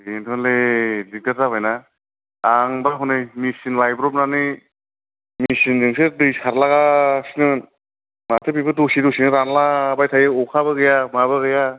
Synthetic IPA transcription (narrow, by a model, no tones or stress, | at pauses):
intʰɔnledidaɾzabajna | aŋbaɦunɯjmisinlajbɾɔp̚nanɯ | misinzɯŋsedɯjsaɾlaɡasinɯn | matʰɯpibɯdusidusinɯɾanlabajtʰajɯɔkʰaβɯɡɯjamaβɯɡɯja